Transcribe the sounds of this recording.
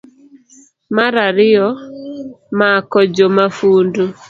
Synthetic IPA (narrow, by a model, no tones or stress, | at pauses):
maɾaɾɪɔ | makɔd͡ʒomafuːndo